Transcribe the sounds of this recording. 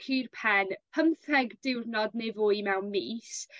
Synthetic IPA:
kʰirpʰɛnpʰəmθɛɡdɪwrnɔdnevʊːjmɛwnmiːs

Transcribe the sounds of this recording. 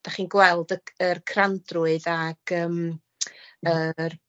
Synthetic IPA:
d̥aχiːnɡwɛlˠdəərkʰrandrʊɨðaɡ̥əːm | ər

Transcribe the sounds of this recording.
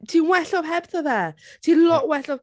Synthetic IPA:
tʰiːnwɛɬɔv̥ɦɛb̥θɔðɛː | tʰiːnlɔʔwɛɬɔv

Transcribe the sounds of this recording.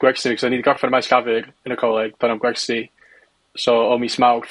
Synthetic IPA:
ɡ̥wɛrstimikʰɔsaniːdiɡɔrfanəmajsɡ̥avɨɾənəkʰɔlˠɛɡd̪̥ɔnamɡwɛrsti | sɔɔmismawθ

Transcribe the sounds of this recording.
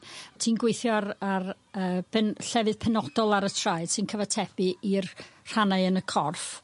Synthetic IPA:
tʰiːnɡwejθjɔɾar | əːbɛnɬɛvɨðpʰɛnɔd̥ɔlˠaɾətʰraɨd̥sɨnkʰəvatʰɛb̥ɨʔirr̥anaɨənəkʰɔrf

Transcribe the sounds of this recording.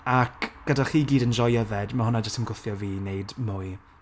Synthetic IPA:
akɡ̥ədaχiːɡiːdənd͡ʒɔjəðɛdmaɦʊnad͡ʒəstəmɡʊθjɔviːnejdmʊːj

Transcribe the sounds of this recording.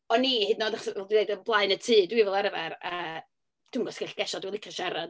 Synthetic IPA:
ɔnːiːhɨdnɔːdaχsɛldinejdəblˠaɨnətʰɨːdwivɛlˠaɾvaɾa | d̥ʰuːŋɡɔsɡɛɬɡ̥ɛʃɔdwilˠɪkʰaʃaɾad̥

